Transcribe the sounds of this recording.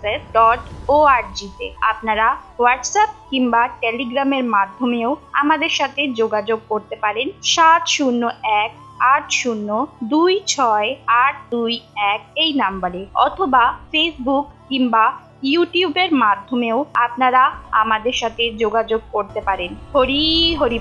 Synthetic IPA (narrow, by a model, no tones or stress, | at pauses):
ɾesɖɔʈoaɾd͡ʑit̪ḛapnaɾa | waɾʈsap̚kiŋbaʈeliɡɾameɾmad̪ʱːomeoa̰mad̪eɾʃat̪ʰed͡ʑoɡad͡ʑoɡ̚koɾt̪epaɾenʃat̪ʃunːoɛk̚ | aʈʃunːod̪ujt͡ɕʰɔeaʈ̚d̪ujɛk̚ejnambaɾeɔ̰t̪ʰobafesbukːiŋba | juʈiubeɾmad̪ʱːomeoapnaɾaa̰mad̪eɾʃat̪ʰed͡ʑoɡad͡ʑoɡ̚koɾt̪epaɾenɦoɾiɦoɾi